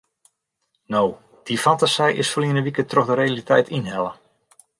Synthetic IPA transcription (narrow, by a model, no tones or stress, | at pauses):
now | d̥ifantasɛjʔɪsfoliənəʋikətroxdəɾealitɛjtʰinhɛlˠə